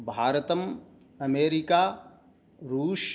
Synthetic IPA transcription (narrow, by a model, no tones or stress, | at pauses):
bʱaːɾət̪əm | ɐmeːɾɪkaː | ɾuːʃ